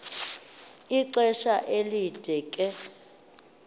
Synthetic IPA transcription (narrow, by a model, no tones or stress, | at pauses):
iǀɛʃaʔelid̥ʱɛkʼɛ